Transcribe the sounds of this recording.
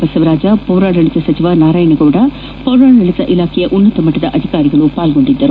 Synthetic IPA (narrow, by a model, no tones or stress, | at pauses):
bɐsɐʋɐɾaːd͡ʒɐpɐːɾaːɽɐɭisɐsɐt͡ʃiʋanaːɾaːjɐɳɐɡɐʋɽɐ | pɐwɾaːɽɐɭisɐʔilaːkʰɛjɐʔunːɐt̪ɐmɐʈːɐd̪ɐʔɐd̪ʱikaːɾiɡɐɭupaːlɡo̞ɳɖid̪ːɐɾu